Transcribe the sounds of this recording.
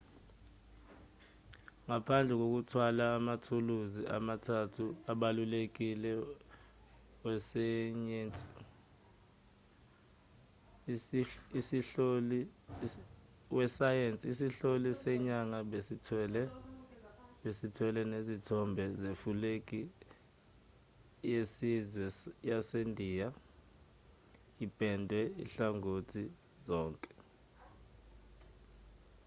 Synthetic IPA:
ŋapʰand͡ɮʱɛk̬ok̬utʰwalaːmatʰuluziʔa̰matʰatʰuaɓalulek̬ilɛ | wɛsɛɲentʼi̥ | siɬol | wɛsajent͡sʼisiɬolisɛɲaŋaesitʰlɛ | ɓesitʰwɛlɛnezitʰɔmbʱɛzefulekʼi | jesizwɛjasendʱiːja | ipʼɛndʱwɛḭɬaŋotʰi | zɔːŋkʼɛ̥

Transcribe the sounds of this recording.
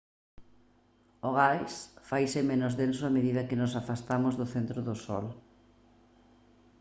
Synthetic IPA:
oɣajsfajsɪmenʊzðens̬ʊameðiðɐkɪnʊsafast̪amʊzðʊθent̪ɾʊðʊsɔ̰l

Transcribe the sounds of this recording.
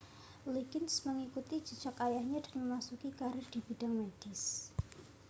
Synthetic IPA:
liɡɪnsməŋikut̪i̥d͡ʒi̤̥d͡ʒ̥akajahɲad̥anməmasukikaɾɪrd̥ib̥idaŋmed̥ɪs

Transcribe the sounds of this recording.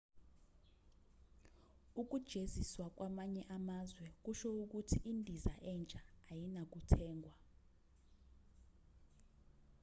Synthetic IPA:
uk̬ud̥ʒ̥ʱeziswak̬wʔamaɲɛʔamazwɛk̬uʃɔuk̬utʰiʔindʱizaʔɛnt͡ʃʼaːjinak̬utʰɛːŋɡʱwa

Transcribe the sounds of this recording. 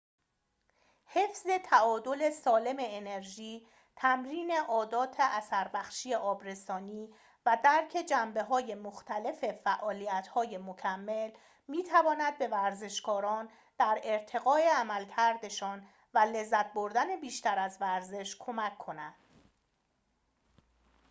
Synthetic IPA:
he̞fz̥e̞t̪ʰæɒːd̪o̞le̞sɒːle̞me̞ːne̞ɾʒiː | t̪ʰæmɾiːne̞ʔɒːd̪ɒːt̪ʰeʔæsæɾbæxʃije̞ʔɒːbɾe̞sɒːniː | væd̪æɾcʰe̞d͡ʒæmbe̞ɦɒːje̞moxt̪ʰæle̞fe̞fæʔɒːliːjæt̪hɒːje̞mocʰæmːe̞l | miːt̪ʰævɒːnæd̪̚be̞væɾze̞ʃkɒːɾɒːn | d̪̥æɾeɾt̪ʰe̞ɣɒːe̞æmælcʰæɾd̪e̞ʃɒːn | væle̞zːæt̪̚bo̞ɾd̪æne̞biːʃt̪æɾæzvæɾze̞ʃkʰo̞mækʰːo̞næd̪̥

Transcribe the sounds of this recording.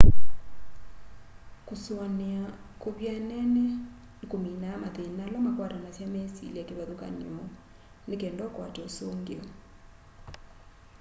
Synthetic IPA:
kosoanea | koβjanɛnɛ | ekominamaðenalamakwaɾanasjamesḭliakeβaðoka̰neɔ | nekɛːndɔkwa̰tɛosoŋɡeɔ

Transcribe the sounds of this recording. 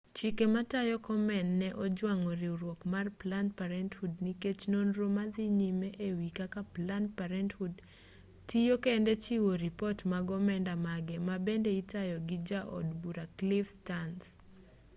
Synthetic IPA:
t͡ʃikematajɔkɔmɛnːɛʔɔd͡ʒwaŋɔɾiuɾwɔkmarplantpaɾɛnthudniket͡ʃnonɾomad̪iɲimeʔewikakaplantpaɾɛnthud | tijokendet͡ʃiwoɾipɔtmaɡɔmɛndamaɡɛmabendeitajɔɡɪd͡ʒaʔɔ̰dbuɾaklɪfstans

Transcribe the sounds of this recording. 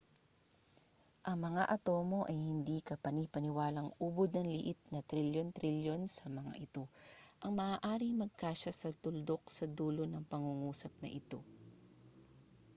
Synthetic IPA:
ʔɐŋmɐŋaʔɐt̪o̞ːmo̞ʔɐjhɪnd̪ikɐpɐnipɐnɪwaːlɐŋʔuːbod̪̚nɐŋlɪ̰ʔɪt̪̚nɐt̪ɾiljont̪ɾiljo̞nsɐmɐŋa̰ʔɪt̪o̞ʔɐŋmɐʔaːʔaːɾɪŋmɐɡ̚kaːʃɐsɐt̪ʊld̪o̞k̚sɐd̪uːlo̞nɐŋpɐŋuŋuːsɐp̚nɐ̰ʔɪt̪o̞̰

